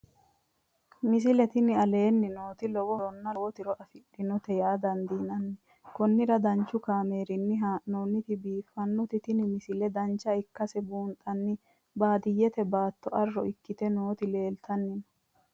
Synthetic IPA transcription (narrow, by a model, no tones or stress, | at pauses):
mɪs̬ɪlɛt̪ɪnɪɐle̞ːnːɪno̞ːt̪ɪlɔwɔɔnːɐwɔt̪ɪɾɔʔɐfɪᶑːɪnɔt̪ɛjaːd̪ɐnd̪iːnɐnːɛ | kɔnːɪɾɐd̪ɐnt͡ʃːʊkaːme̞ːɾɪnːɪɦaːnoːnːɪt̪ɪbiːfːɐnːɔt̪ɪt̪ɪnɪmɪsɪlɛd̪ɐnt͡ʃːɐɪkːɐsɛbuːnt̪ʼɐnːɪ | baːd̪ɪjːɛt̪ɛbaːt̪ːɔʔɐrːɔʔɪkːɪt̪ɛnoːt̪ɪle̞ːlt̪ɐnːɪnɔ